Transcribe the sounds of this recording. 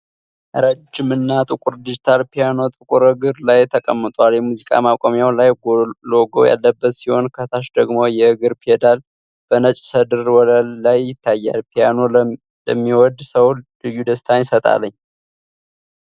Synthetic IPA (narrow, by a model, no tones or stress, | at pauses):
ʔɾəd͡ʒːɪmɨnːat̪ʼɨkʼuɾd̪id͡ʒit̪ʰalpʰijano̞t̪ʼɨkʼuɾɨɡɨɾlajt̪ʰəkʼəmːɨt̪ʼwaljɛmuzikʼa̰makʷʼomjawlajɡloɡo̰ja̰lːəbːət̪siho̞nkʰət̪ʰaʃd̪əɡmo̞jɛɨɡɨɾpʰiɛd̪al | b̥ənət͡ʃʼsəd̪ɨɾwɔləlːajɪt̪ʰːajːa̰lpʰijano̞ | ləmːiwɔd̪səwlɨjːud̪əst̪ʰansət̪ʼa̰lːəɲː